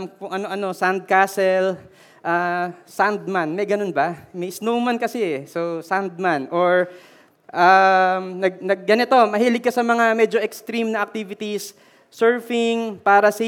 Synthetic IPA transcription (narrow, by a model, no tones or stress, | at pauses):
mkʊŋʔɐnoʔɐno̞sand̪̚kaːsɛl | ʔasand̪̚manmɐjɡɐno̞nbɐmɐjsnowmɐnkɐsɛɛsosand̪̚manʔoɹ | ʔamnɐɡ̚nɐɡ̚ːɐnɪt̪o̞mɐɦiːlɪɡ̚kːɐsɐmɐŋamɛd͡ʒo̞ʔɛkst̪ɾimnɐɐk̚t̪iːvɪt̪isː | ɛɹfɪŋpaːɾɐs